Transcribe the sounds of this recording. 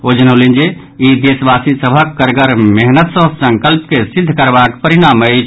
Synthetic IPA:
od͡ʒənəlind͡ʒe | id̪esbasisəbʱəkːəɾɡəɾmeɦnət̪sə̃səŋkəlpkesid̪ʱːkəɾbakpəɾiɽ̃amət͡ʃʰ

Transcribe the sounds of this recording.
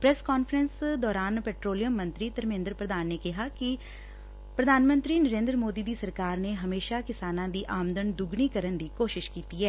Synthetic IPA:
pɾɛːskɔːnfɾɛnsd̪ɔːɾaːnpɛːʈɾoːlijəmːə̃nt̪ɾiːt̪əɾmẽːnd̪ɾpɾəd̪aːnːeːkɪɦaːkɪ | pɾəd̪ʱaːnmə̃nt̪ɾiːnəɾẽːnd̪ɾəmoːd̪iːd̪iːsəɾkaːɾneːɦəmeːʃaːkɪsaːnãːd̪iːʔaːmnd̪ənd̪ʊɡniːkəɾənd̪iːkoːʃɪʃkiːt̪iːɦɛː

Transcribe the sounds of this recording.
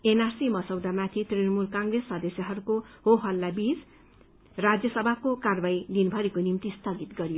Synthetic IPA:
enarsimʌsʌwd̪amat̪ʰit̪rinʌmulkaŋɡresːʌd̪esjʌɦʌɾukohoɦʌlːabid͡z | rad͡zjʌsʌbʱakokarbajd̪inbʱʌɾikonimt̪ist̪ʌɡit̪ɡʌɾijo

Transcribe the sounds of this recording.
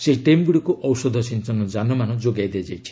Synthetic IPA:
seiʈemɡuɽikuʔɔwsɔd̪ʱɔsintɔnɔd͡ʒanɔmanɔd͡ʒoɡajd̪ed͡ʒajt͡ʃʰi̥

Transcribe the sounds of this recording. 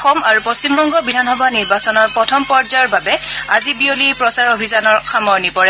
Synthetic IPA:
xɔmaɹupost͡ʃimbɔŋɡɔbidʱanxɔbʱaniɹbasɔnɔɹpɹɔtʰɔmpɔɹzaɔɹbabɛazibiolipɹɔsaɹobʱizanɔɹxamɔɹnipɔɹɛ

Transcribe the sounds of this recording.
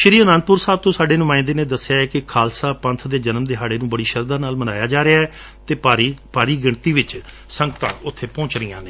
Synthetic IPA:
ʃəɾiːənãːnd̪̚pʊɾsaːb̚t̪õːsaːɖeːnʊmãːɪ̃nd̪eːnẽːd̪əsːɪjaːɛːkɪkʰaːlsaːpə̃nt̪ʰd̪eːd͡ʒənəmd̪eːɦaːɽeːnũːbəɽiːʃəɾd̪ãːnaːlmənaːjaːd͡ʒaːɾɪaːɦɛː | t̪eːpaːɾipaːɾiːɡɪɳt̪iːʋɪt͡ʃ | sə̃ŋɡt̪ã̰ːʊt̪ʰːeːpɔ̃ːt͡ʃɾijã̰ːneː

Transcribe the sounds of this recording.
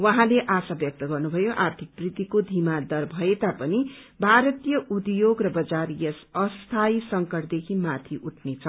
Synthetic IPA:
wʌɦãleʔasabjʌk̚t̪ʌɡʌrnubʱʌjoʔart̪ʰik̚prit̪ikod̪ʱimad̪ʌrbʱʌet̪apʌni | bʱaɾʌt̪ijʌʔud̪joɡrʌbʌd͡zaɾijʌsʌst̪ʰajsʌŋkʌʈd̪ekʰimat̪ʰiʔuʈʰnet͡sʰʌ

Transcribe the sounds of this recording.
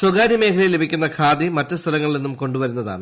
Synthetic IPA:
soɡaːɾjime̞ːkʰɐɭijlːebʱikʲːunːɐkʰaːd̪imɐtːɨst̪ʰɐlɐŋːɐɭilenːumko̞ɳɖuʋɐɾunːɐða̰ːɳɨ

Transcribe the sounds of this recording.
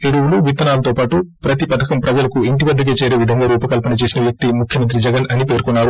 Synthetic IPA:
eɽuwuluʋit̪ːɐnaːlɐt̪oːpaːʈupɾɐt̪ipɐt̪ʰɐkɐmpɾɐd͡ʒɐlɐkuiɳʈiʋɐd̪ːɐk̬eːt͡ʃeːɾeːʋid̪ʱɐŋɡaːɾuːpɐkɐlpɐnɐt͡ʃe̞ːsinɐʋjɐk̚t̪imukʰjɐmɐnt̪ɾid͡ʒɛɡɐnɐnipe̞ːɾkunːaːɾu

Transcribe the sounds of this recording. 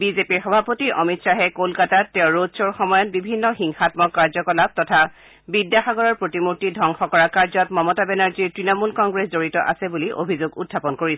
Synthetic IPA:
bizepiɹxɔbʱapotiɹʔɔmitsaɦɛkolkataɛʊ̃ɹodsɔɹxɔmɔjɔtbibʱinːɔxiŋxatmɔkːaɹzɔkɔlab̚tɔtʰa | bidjaxaɡɔɹɔɹpɹotimuɹtidʱɔŋxɔkɔɹakaɹzɔtmɔmɔtabɛnaɹziɹtɹinɔmulkɔŋɡɹeszoɹitɔ̰ʔa̰sɛbuliʔo̰bʱizoɡṵdʱːapɔnkoɹis

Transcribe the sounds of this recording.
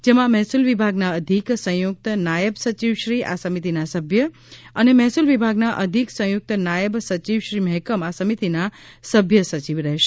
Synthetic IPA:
d͡ʒemãmɛɦsulʋibʱaɡnaəd̪ʱiksə̃juk̚t̪najəbsət͡ʃiʋʃɾiʔa̰səmit̪inasəbʱjə | ənemɛɦsulʋibʱaɡnaʔəd̪ʱiksə̃juk̚t̪najəbsət͡ʃiʋʃɾiməɛɦkəmasəmit̪ina | səbʱjəsət͡ʃiʋɾɛɦʃe̥

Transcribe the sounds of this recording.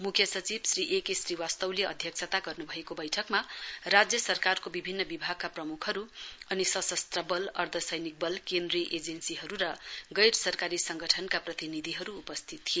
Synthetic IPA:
mukʰjʌsʌt͡sibsriʔekesriwast̪ʌwleʌ̰d̪ʱjʌk̚t͡sʰat̪aɡʌrnubʱʌekobʌjʈʰʌkmarad͡zjʌsʌrkarkobibʱinːʌbibʱaɡ̚kaprʌmukʰɦʌɾuʌnisʌsʌst̪rʌbʌlʌrd̪ʱʌsʌjnik̚bʌlkend̪riʌʔed͡zensiɦʌɾuɾʌɡʌjɾsʌrkaɾisʌŋɡʌʈʰʌnkaprʌt̪inid̪ʱiɦʌɾuːpʌst̪ʰit̪ːʰie

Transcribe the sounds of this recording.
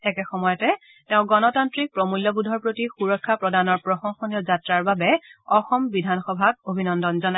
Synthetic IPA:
ɛkɛxɔmɔjɔtɛ | tɛʊ̃ɡɔnɔtantɹik̚pɹomuljɔbudʱɔɹpɹotixuɹɔkʰːapɹɔdanɔɹpɹɔxɔŋxonijɔzatɹaɹbabɛɔxɔmbidʱanxɔbʱak̚obʱinɔndɔnzɔna

